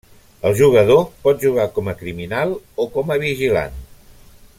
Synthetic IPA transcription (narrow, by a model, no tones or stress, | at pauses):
əlˠʒuɣ̞əð̞opɔt̪̚ʒuɣ̞akɔməkɾiminalˠokɔməβiʒila̰n